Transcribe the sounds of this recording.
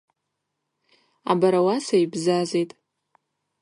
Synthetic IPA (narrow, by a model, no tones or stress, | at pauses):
a̰baɾawasaibzazejtʼ